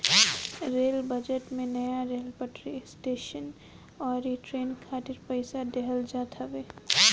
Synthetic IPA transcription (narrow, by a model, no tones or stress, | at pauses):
ɾeːlbəd͡ʒeʈmẽnəjaɾeːlpəʈɾisʈeːʃən | ɔːɾiʈɾeːnkʰaːt̪ɪɾpəɪsad̪eɦəld͡ʒaːt̪ʰabeː